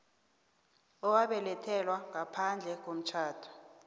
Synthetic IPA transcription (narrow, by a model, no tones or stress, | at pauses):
ɔwaɓɛlɛtʰɛlwaŋapʰand͡ɮʱɛk̬om̩t͡ʃʰaːd̥ʰu̥